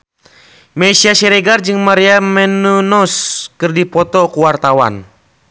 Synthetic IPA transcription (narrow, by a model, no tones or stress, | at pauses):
mɛsiaʃɛɾɛɡard͡ʒɨŋmaɾiamɛnunɔskɨrdipɔt̪ɔkuwart̪awa̰n